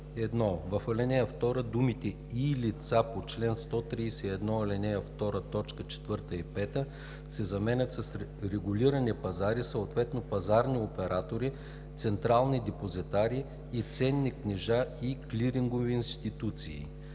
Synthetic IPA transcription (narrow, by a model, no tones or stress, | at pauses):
ɛd̪nɔvɐfɐlɛnɛjəft̪ɔɾəd̪umit̪ɛ | ilit̪sapot͡ʃlɛnst̪ɔt̪ɾisɛɛd̪nɔɐlɛnɛjəft̪ɔɾət̪ɔt͡ʃkət͡ʃɛ̥t̪vɤɾt̪əipɛt̪ə | sɛzɐmɛnət̪sɐsɾɛɡuliɾɐnipɐzaɾisəot̪vɛt̪nopɐzaɾniopɛɾʔat̪oɾi | t̪sɛnt̪ɾalˠnid̪ɛpozit̪aɾi | it̪sɛnːiknɛʒaikliɾiŋɡoviːnst̪it̪ut̪sḭː